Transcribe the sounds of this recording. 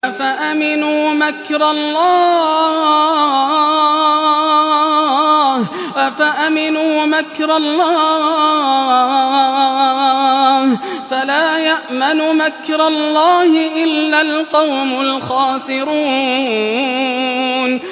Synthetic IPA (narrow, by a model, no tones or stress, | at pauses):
faʔamɪnuːmakɾˤɑlˤːɑː | h | faʔamɪnuːmakɾˤɑlːɑː | hfalaːjaʔmanʊmakɾˤɑlˤːɑːhɪʔɪlːalqɑwmʊlxɑːsɪɾuː | n